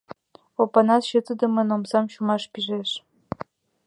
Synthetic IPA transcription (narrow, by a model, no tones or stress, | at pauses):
opɑnɑt̪ɕət̪əd̪ə̆mɤnomsɑmɕumɑʃpiʒeʃ